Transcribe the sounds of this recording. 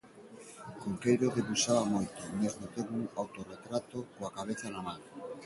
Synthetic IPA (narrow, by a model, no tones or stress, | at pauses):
koŋkejɾoðeβusaβamojt̪omezmot̪eɾuŋawt̪oret̪ɾat̪okoakaβ̞eθanamaŋ